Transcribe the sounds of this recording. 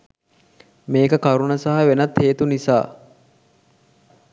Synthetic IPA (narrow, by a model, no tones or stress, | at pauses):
meːkəkaɾunəsaɦɐʋenɐt̪heːt̪unisa̰ː